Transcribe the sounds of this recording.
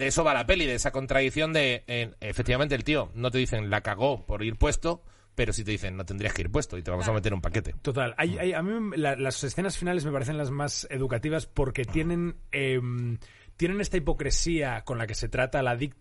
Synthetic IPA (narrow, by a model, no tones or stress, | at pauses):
d̪eeso̞β̞alape̞liðeesako̞nt̪ɾaðiθjo̞nd̪e̞eefek̚t̪iβament̪elt̪io̞no̞t̪e̞ð̞iθe̞ŋnlakaɣ̞o̞po̞ɾiɾpwe̞st̪o̞ | pe̞ɾo̞sit̪eiθe̞nːo̞t̪end̪ɾiaskeiɾp̬we̞st̪oit̪eβamo̞same̞t̪e̞ɾumpake̞t̪e̞t̪o̞t̪alajajamĩlalase̞sθe̞nasfinale̞zme̞paɾe̞θe̞nlazmase̞ð̞ukat̪iβaspo̞ɾke̞t̪je̞ne̞nem | t̪je̞ne̞ne̞st̪aipo̞kɾe̞siako̞nlake̞se̞t̪ɾat̪alaðik